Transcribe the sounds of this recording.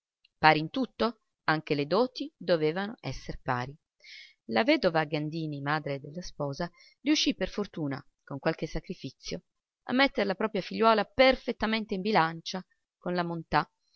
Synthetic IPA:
paːɾint̪ut̪ːo | aŋk̟eled̪ɔːt̪id̪oveːvanoɛsːerpa̰ːɾi | lavɛːd̪ovaɡand̪iːnimaːd̪ɾed̪elːaspɔːza | riuʃːipːerfort̪uːna̰ | koŋkwalk̟esakɾifit̪sːjo | a̰mːet̪ːeɾlapɾɔːpɾjafiʎːwɔːlaperfet̪ːament̪eimbilant͡ʃa | konlamont̪a

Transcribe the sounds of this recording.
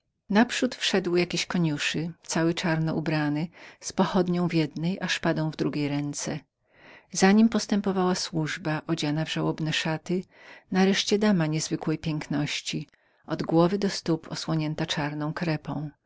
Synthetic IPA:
napʂut̪fʂɛd̪wjakʲeɕkɔɲuʂɘt̪sawɘt͡ʂaɾnɔʔubɾanɘspɔxɔd̪ɲɔ̃w̃vʲjɛd̪nɛjʔaʂpad̪ɔ̃w̃vd̪ɾuɡʲejɾɛnt̪sɛ | zaɲimpɔst̪ɛmpɔvawaswuʐbaʔɔd͡ʑanavʐawɔbnɛʂat̪ɘ | naɾɛʂt͡ɕɛd̪amaɲɛzvɘkwɛjpʲjɛŋknɔɕt͡ɕi | ɔd̪ɡwɔvɘd̪ɔst̪upʰɔ̰swɔɲɛnt̪at͡ʂaɾnɔ̃w̃kɾɛpɔ̰̃w̃

